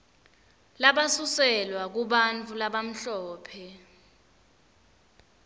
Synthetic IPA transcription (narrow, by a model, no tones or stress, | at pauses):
laɓasusɛlwak̬uɓant͡fʰʼulaɓam̩ɬɔːpʰɛ